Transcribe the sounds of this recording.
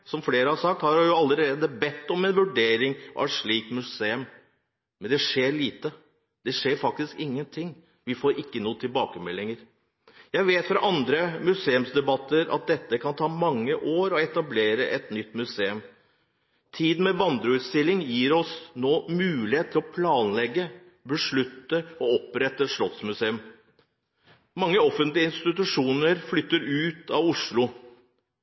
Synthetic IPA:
sɔmfleːɾəhɑɾsɑk̚t̪hɑɾjʊɑlːəɾeːd̪əbɛt̪ːɔmɛnʋʉɖeːɾɪŋʔɑ̰ʋɛʂɭiːkmʉseːʉm | mɛnd̪ɛʂeːɾɭiːt̪ə | d̪ɛʂeːɾfɑk̚t̪ɪskɪŋːənt̪ʰɪŋː | ʋɪfoːɾʔɪkːənuːət̪ʰɪlbɑːkəmɛlːɪŋəɾ | jæɪʋeːt̪fɾɑʔɑnd̪ɾəmʉseːʉmsd̪ɛbɑt̪ːəɾɑ̰t̪̚d̪ɛt̪ːəkʰɑnt̪ʰɑːmɑŋːəʔoːɾɔɛt̪ɑbleːɾəʔɛt̪nʏt̪ːmʉseːʉm | t̪ʰiːd̪n̩mɛʋɑnd̪ɾʉʉːt̪st̪ɪlːɪŋjiːɾɔsnoːmʉːlɪeːt̪ʰːɪlɔpʰlɑːnlɛɡːə | bəʂɭʉt̪ːəɔɔpɾɛt̪ːəʂɭɔt̪smʉseːʉm | mɑŋːəɔfənt̪lɪəɪnst̪ɪt̪ʉʂuːnəɾflʏt̪ːəɾʉːt̪ɑʋʊʂɭʊ

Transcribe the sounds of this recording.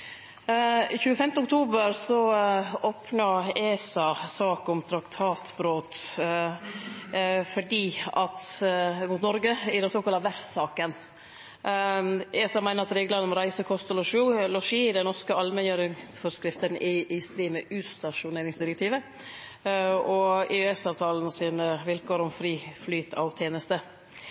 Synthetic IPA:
ɪçʉːəfɛmt̪əʊkt̪ʰuːbəɾsɔoːpnɑeːsɑsɑːkʊmt̪ʰɾɑkt̪ʰɑːt̪bɾoːt̪ | fɔɖiːɑt̪mʊːt̪nɔɾɡəɪd̪ɛsoːkʰɑlɑʋæɾfsɑːkən | ɛsɑmæɪnəɾɑt̪ɾeːɡəlɑnəmɔɾæɪsəkʰɔst̪əlɔʂuːlɔʂiːɪd̪ɛnɔɾskəɑlmɛnjøːɾɪŋsfɔɾskɾɪft̪ənʔɪʔɪst̪ɾiːməʔʉːst̪ɑʂʊneːɾɪŋsd̪ɪɾɛk̚t̪ʰiːʋə | ɔeɛsɑːʋt̪ʰɑːlnəsiːnəʋɪlkoːɾɔmfɾiːflyːt̪ʰɑ̰ʋt̪ʰjeːnəst̪ə

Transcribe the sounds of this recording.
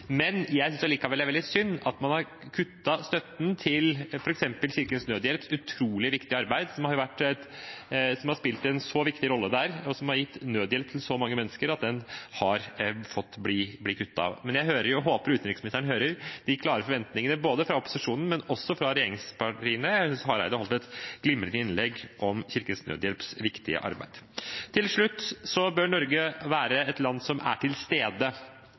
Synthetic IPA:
mɛnjæɪsʏnsjɔliːkɑʋɛlːæɾʋɛld̪ɪsʏnːɑt̪mɑnhɑɾ | kʰʉt̪ːɑst̪œt̪nt̪ʰɪlfɔɾɛksɛmpəlɕɪɾkənsnøːd̪əɛːlt̪sʉt̪ʰɾuːlɪʋɪkt̪ɪɑɾbæɪd̪sɔmhɑɾjʊʋæʈːɛt̪ | sɔmhɑɾʂpɪlt̪ɛnsɔʋɪkt̪ɪɾɔlːəd̪æɾɔsɔmhɑɾjɪt̪ːnøːd̪əjɛlt̪ʰːɪlsɔmɑŋːəmɛnːəskəɾɑt̪̚d̪ɛnhɑɾfɔt̪ːblɪblɪkʰʉt̪ːɑ̰mɛnjæɪɦøːɾəɾjʊɦoːpəɾʉːt̪nɾɪksmɪnɪst̪əɳəɦøːɾəɾd̪ɪkʰlɑːɾəfɔɾʋɛnt̪nɪŋənəboːd̪əfɾɑɔpʊ̥sɪʂuːnən̩mɛnɔsːɔfɾɑɾɛjeːɾɪŋspɑʈiːənəjæshɑɾæɪd̪əhɔlt̪ɛt̪ɡ̥lɪmːəlɪt̪ɪnlɛɡʔɔmçɪɾkənsnø̰ːd̪jɛlpsʋɪkt̪ɪə̰ʔɑ̰ɾbæ̰ɪd̪̥t̪ʰɪlʂɭʉt̪ːsɔbøːɳɔɾɡəʋæːɾəɛt̪lɑnːsɔmʔæ̰ʈʰɪlst̪eːd̪ə

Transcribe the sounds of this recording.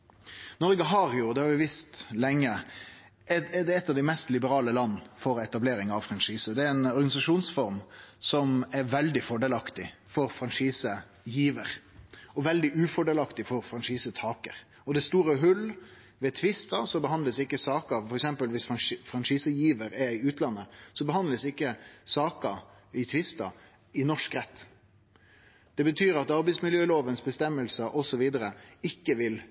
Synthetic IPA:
nɔɾɡəɦɑɾjʊd̪ɛhɑɾjʊɛʋɪst̪lɛŋːə | ʔɛɛd̪ɛɛt̪ːɑʋd̪ɛmɛst̪lɪbəɾɑːləlɑnːfɔɾɛt̪ɑbleːɾɪŋɑʋfɾɑnʂiːsəd̪ɛɾɛnɔɾɡɑnɪsɑʂuːnsfɔɾmsɔmɛɾʋɛld̪ɪfɔɖɛːlɑkt̪ɪ | fɔɾfɾɑnʂiːsə | jiːʋəɾ | ɔʋɛld̪ɪʔʉːfɔɖɛːlɑkt̪ɪfɔɾfɾɑnʂiːsət̪ʰɑːkəɾ | ɔd̪ɛst̪uːɾəɦʉl | ʋɛt̪ʰʋɪst̪ɑsɔbəɦɑnd̪ləsɪkːəsɑːkəfɔɾɛksɛmpəlʋɪsfɑfɾɑnʂiːsəjiːʋəɾɛɾɪʉːt̪lɑnːəsɔbəɦɑnd̪ləsɪkːəsɑːkə | ɪt̪ʰʋɪst̪ɑ̰ | ɪnɔʂkɾɛt̪ː | d̪̥ɛbət̪ʰyːɾɑt̪ɑɾbɛɪsmɪljøːloːʋənsbəst̪ɛmːəlsəʔɔsɔʋiːd̪əɾəɪkːəʋɪl

